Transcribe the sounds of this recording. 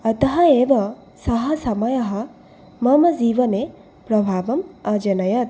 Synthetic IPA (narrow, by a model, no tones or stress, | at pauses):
ɐt̪ɐɦɐebɐ | sɐɦɐsɐmɐjɐɦɐ | mɐmɐziʋɐne | pɾɐbʱaːbɐmɐd͡ʒɐnɐjɐt̪̚